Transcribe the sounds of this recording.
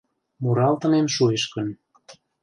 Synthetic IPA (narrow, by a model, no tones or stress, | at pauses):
muɾɑlt̪ə̆nemʃueʃkə̆n